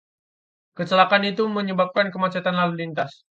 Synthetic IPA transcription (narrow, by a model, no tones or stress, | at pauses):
kət͡ʃəlakanit̪uməɲəbap̚kankəmat͡ʃat̪anlalulint̪as